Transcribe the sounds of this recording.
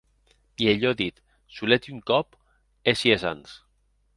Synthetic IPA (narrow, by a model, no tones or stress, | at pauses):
ieʎɔðit̪ | sulet̪uŋkɔp | esieza̰ns